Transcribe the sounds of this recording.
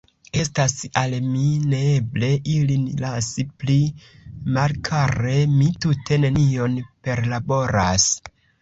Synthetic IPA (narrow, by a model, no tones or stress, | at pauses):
e̞stasalmineeble̞ʔilinlasiplimalkʰaɾe̞mitutʰe̞ne̞nio̞npe̞ɾlabo̞ɾa̰s